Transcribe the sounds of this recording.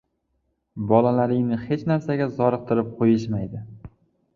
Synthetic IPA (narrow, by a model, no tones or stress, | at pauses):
bɒlalaɾɪŋnɪhe̞t͡ʃnaɾsaɡʲazɒɾɨq̚t̪ʰɪɾɪp̚qʰojɪʃmajd̪ɪ